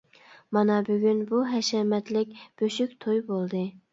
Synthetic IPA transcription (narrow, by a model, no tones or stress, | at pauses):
mɑnɑbyɡʲynbuɦɛʃɛmɛt̪lɪkʲb̥øʃykʲt̪ʰojbolˠd̪ɨ